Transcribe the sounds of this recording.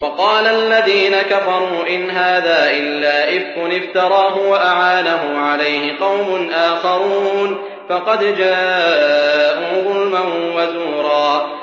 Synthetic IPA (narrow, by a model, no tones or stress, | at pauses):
fɑqɑːlalːaðiːnakafɑɾˤuːʔɪnɦaːðaːʔɪlːaːʔɪfkʊnɪft̪ɑɾˤɑːɦʊwaʔaʕaːnaɦʊmʕalajhɪqɑwmʊnʔaːxɑɾuːn | fɑqɑd̪d͡ʒaː | ʔuːðˤʊlmanwazuːɾˤɑː